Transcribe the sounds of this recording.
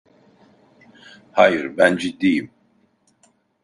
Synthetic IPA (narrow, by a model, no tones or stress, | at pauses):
hajɨɾbænd͡ʒid̪ijim